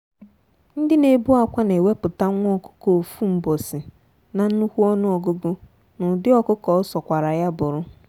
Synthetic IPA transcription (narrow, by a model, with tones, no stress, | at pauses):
n̩˦dɪ˦ne˨bu˦a˨kʷa˦ne˨we˦pʊ˨ta˦ŋʷ˦ɔ˦˨kʊ̥˦ko˨o˨fu˦m̩˨bɔ˨sɪ˨ | na˨n̩˦nu˦hu˦ɔ˦nʊ˦ɔ˨ɡo˦ɡo˦ | nʊ˨dɪ˦ɔ˦kʊ˦kɔ˨˦sɔ˨kʷa˨ɾa˨ja˦bʊ˨ɾʊ˦